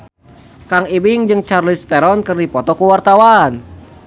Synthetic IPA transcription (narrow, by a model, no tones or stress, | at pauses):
kaŋibiŋd͡ʒɨŋt͡ʃarlist̪ɛɾɔnkɨrdipɔt̪ɔkuwart̪awan